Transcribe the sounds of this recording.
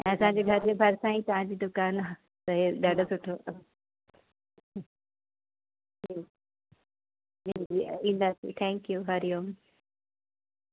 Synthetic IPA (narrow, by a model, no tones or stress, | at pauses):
ɛ̃ːɐsãɲd͡ʑeːɡʱɐɾd͡ʑebʱɐɾsãːĩt̪ɐʋãɲd͡ʑiːd̪ʊkaːnaː | t̪ɐɦeɗaːɖosʊʈʰo | iː | d͡ʑiiĩːn̆d̪aːsḭt̪ʰɛ̃ːŋkjuɦɐɾijoːm